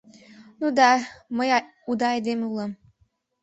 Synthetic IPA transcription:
nud̪ɑməj | ud̪ɑed̪emʲulˠə̆m

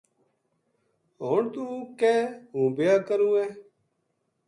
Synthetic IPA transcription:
ɦoːɳt̪ũːkeːɦũːbɪjaːɾkəɾũːɛː

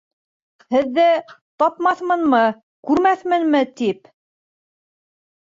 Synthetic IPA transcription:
hɘ̆ðːæt̪ɑpmɑθmɤ̆nmɤ | kʉɾmæθmɘ̆nmɘt̪ip

